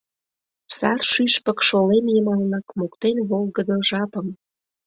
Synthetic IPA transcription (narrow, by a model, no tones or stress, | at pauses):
sɑrʃyʃpə̆kʃolemjəmɑlnɑkmokt̪enβolˠɣəd̪əʒɑpəm